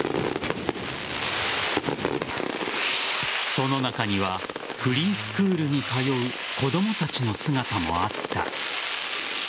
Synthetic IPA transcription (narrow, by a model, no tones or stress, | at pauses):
so̞no̞nakaɲ̟iβ̞a | ɸɯ̟ɾʲiːsɨ̥kɯ̟ːɾɯ̟ɲ̟ikajo̞ɯ̟ | ko̞d̪o̞mo̞t̪at͡ɕino̞sɨɡat̪amo̞̰at̪ːa̰